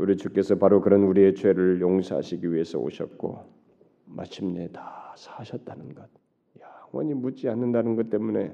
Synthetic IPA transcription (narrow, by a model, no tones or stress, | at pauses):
uɾit͡ɕuk͈e̞sʰʌpaɾokɯɾʌnuɾie̞t͡ɕʰwe̞ɾɯɭjoŋsʰaɦa̰ɕʰiɡiɥiɦe̞sʰʌ̰o̰ɕʰʌ̰t̚k͈o̰ | mʔa̰ɕʰimne̞tasʰḁɕʰʌt̚t͈anɯnɡʌt̚ | jaŋwʌ̰ɲimut͡ɕ͈ianːɯndanɯnɡʌt͈̚e̞mune̞